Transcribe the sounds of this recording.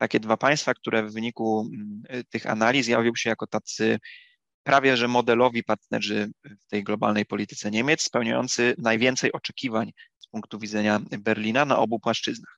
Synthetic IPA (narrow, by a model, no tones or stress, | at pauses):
t̪akʲɛd̪vapaj̃st̪fak̚t̪uɾʔɛvːɘɲiku | t̪ɘxa̰nalʲizjavʲiwɕɛjakɔt̪at̪sɘ | pɾʔavʲjɛʐɛmɔd̪ɛlɔvʲipaɾt̪nɛ̰ʐɘft̪ɛjɡlɔba̰lnɛjpɔlʲit̪ɘ̥t̪sɛɲemʲjɛt̪sspɛwɲajɔ̰nt̪sɘnajvʲjɛnt̪sɛjɔt͡ʂɛkʲivaɲspuŋkt̪uvʲid̪zɛɲabɛɾlʲinana̰ʔɔbupwaʂt͡ʂɘznax